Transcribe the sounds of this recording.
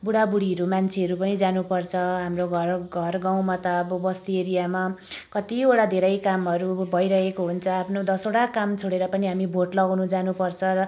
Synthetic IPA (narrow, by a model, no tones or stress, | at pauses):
buɽabuɽiɦʌɾumant͡sʰeʌɾupʌnid͡zanupʌrt͡sʰʌɦamroɡʱʌrɡʱʌrɡaw̃mat̪ʌːbʌbʌst̪ieɾijamakʌt̪ioɽad̪ʱeɾʌjkamɦʌɾubʱʌjɾʌɦekoɦunt͡sʰʌapʰnod̪ʌsoɽakamt͡sʰoɽeɾʌpʌniɦamibʱoʈlʌɡawnud͡zanupʌrt͡sʰʌɾʌ